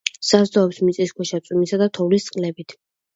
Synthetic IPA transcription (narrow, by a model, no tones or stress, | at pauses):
sazd̪ɔɔpsmit̪sʼiskwɛʃat̪sʼumisad̪at̪ʰɔvlist̪sʼqʼlɛbit̪ʰ